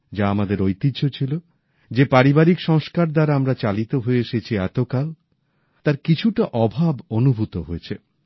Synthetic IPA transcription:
d͡ʑaamad̪eɾojt̪idd͡ʑot͡ɕʰilo | d͡ʑepaɾibaɾikʃɔŋʃkaɾd̪aɾamɾat͡ɕalit̪oɦoeeʃet͡ɕʰiɛt̪okal | t̪aɾkit͡ɕʰuʈaʔɔbʱabonubʱut̪oɦoet͡ɕʰe

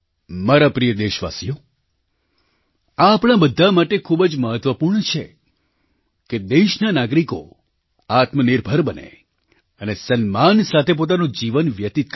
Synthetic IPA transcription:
maɾapɾijəd̪eʃʋa̰sijo | aːpɽ̃abəd̪ʱːamaʈekʰubd͡ʒməɦət̪ʋəpuɾɳət͡ʃʰe | ked̪eʃnanaɡɾiko̰ | at̪məniɾbʱəɾbənḛ | ənesənmansat̪ʰep̬ot̪̬anõd͡ʒiʋənʋjət̪it̪̚k

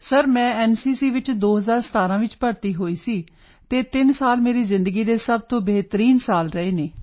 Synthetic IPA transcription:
səɾmɛ̃ːɛːnsiːsiːʋɪt͡ʃd̪oːɦəzaːɾsə̥t̪aːɾãːʋɪt͡ʃpəɾt̪iːɦoːiːsiː | t̪eːt̪ɪnsaːlmeːɾiːzɪ̃nd̪əɡiːd̪eːsəb̚t̪õːbeːt̪əɾiːnsaːlɾəeːneː

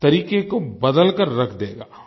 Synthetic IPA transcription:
t̪ɐɾiːkekobɐd̪əlkəɾːɐkʰd̪eːɡa̰ː

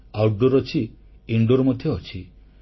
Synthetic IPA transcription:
awʈ̚ɖoɾɔt͡ʃʰi | iɳɖoɾɔmɔd̪ʱjɔːt͡ʃʰi

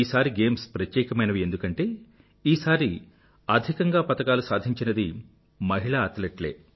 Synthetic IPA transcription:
iːsaːɾiɡe̞ːmspɾɐt̪jɛːkɐmɐjnɐʋiend̪ukɐɳʈe̞ː | iːsaːɾi | ɐd̪ʱikɐŋɡaːpɐt̪ɐkaːlusaːd̪ʱiɲt͡ʃinɐd̪i | mɐɦiɭaːɐt̪leʈlḛː

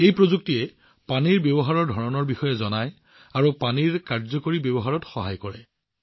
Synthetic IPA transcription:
ejpɹozuk̚tiɛ | paniɹbjɔbɔɦaɹɔɹdʱɔɹɔnɔɹbixɔjɛzɔnaj | aɹupaniɹkaɹzɔkoɹibebɔɦaɹɔtxɔɦajkɔɹɛ

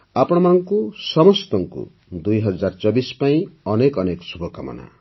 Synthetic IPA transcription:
apɔɽ̃ɔmaŋkusɔmɔst̪ɔŋkṵ | d̪ujɦɔd͡ʒaɾt͡ʃɔbispaĩɔnekɔnekɔ̥subʱɔkamɔ̰na̰

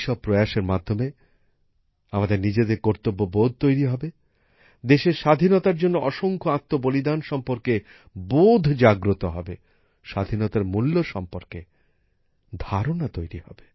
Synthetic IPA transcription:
ʃɔb̚pːɾoeaʃeɾmad̪ʱome | amad̪eɾnid͡ʑed̪eɾkoɾt̪obːobod̪̚ʱt̪ojɾiɦɔbe | d̪eʃeɾʃad̪ʱinɔt̪aɾd͡ʑonːoʔɔʃoŋkʰoat̪ːobolid̪anʃɔmpoɾke | bod̪ʱd͡ʑaɡɾot̪oɦɔbe | ʃad̪ʱinɔt̪aɾmulːoʃɔ̰mpoɾke | d̪ʱaɾonat̪ojɾihɔ̰be

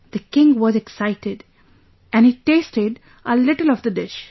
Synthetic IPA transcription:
d̪̥əkɪ̃ŋɡʋɔzɛksaɪʈɪɖ | ʔæ̃nɖiʈeːsʈɪɖ | ʔəlɪʈəl̩ɔfd̪əɖɪʃ

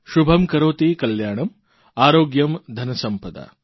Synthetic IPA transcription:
ʃubʱɐmkɐɾoːt̪ikɐljaːɳɐm | aːɾoːɡjɐmd̪ʱɐnɐsɐmpɐd̪ɐ̰

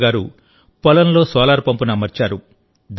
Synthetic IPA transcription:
ɡaːɾṵ | pɐlɐnlo̞ːsɔːlaːɾupɐmpunɐmɐɾt͡ʃaːɾu | d̪

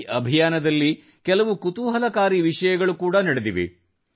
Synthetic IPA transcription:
ʔɐbʱijaːnɐd̪ɐlːi | kɛlɐʋukut̪uːɦɐlɐkaːɾiʋiʂɐjɐɡɐɭukuːɽanɐɽed̪iʋḭ

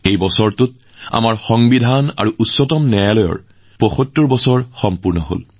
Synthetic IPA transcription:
ejbɔsɔɹtʊt̚ | a̰maɹxɔŋbidʱana̰ɹuʔusɔtɔmnɛjalɔjɔ̰ɹ | poxɔtːuɹbɔsɔɹxɔmpuɹnɔɦo̰l

